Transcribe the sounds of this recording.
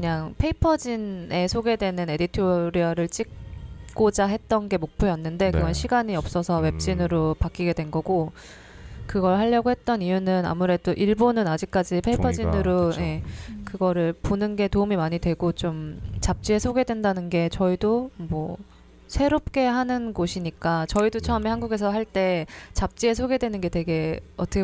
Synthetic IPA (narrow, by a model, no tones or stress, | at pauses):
kɯɲaŋpʰe̞ipʰʌd͡ʑine̞sʰoɡe̞dwe̞nɯne̞ditʰoɾiʌɾɯɭt͡ɕ͈ik̚k͈od͡ʑaɦe̞t̚t͈ʌnɡe̞mok̚pʰjojʌnːɯnde̞kɯɡʌnɕʰiɡaɲiʌp̚s͈ʌsʰʌwe̞p̚t͡ɕ͈inɯɾopak͈iɡe̞dwe̞nɡʌɡo | kɯɡʌɭɦaʎːʌɡoɦet̚t͈ʌnijunɯna̰muɾe̞doʔiɭbonɯnad͡ʑik̚k͈ad͡ʑipʰeipʰʌd͡ʑinɯɾoje̞kɯɡʌɾɯɭponɯnɡe̞toumimaɲidwe̞ɡot͡ɕomt͡ɕap̚t͡ɕ͈ie̞sʰoɡe̞dwe̞ndanɯnɡe̞t͡ɕʌidomwʌ | sʰe̞ɾop̚k͈e̞ɦanɯnɡoɕʰiɲik͈at͡ɕʌidot͡ɕʰʌʌme̞hanɡuɡe̞sʰʌɦaɭt͈e̞t͡ɕap̚t͡ɕ͈ie̞sʰoɡe̞dwe̞nɯnɡe̞twe̞ɡe̞ʌtʰʌkʰ